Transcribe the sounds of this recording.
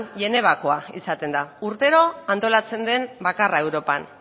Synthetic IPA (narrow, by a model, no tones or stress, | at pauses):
nʎe̞ne̞β̞akoaḭsat̪e̞nd̪auɾt̪e̞ɾo̞ant̪o̞lat͡se̞nd̪e̞mbakarae̞wɾo̞pan